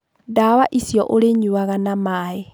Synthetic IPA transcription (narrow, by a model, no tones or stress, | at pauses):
dawaʔisiɔʔoɾeɲuaɣanamae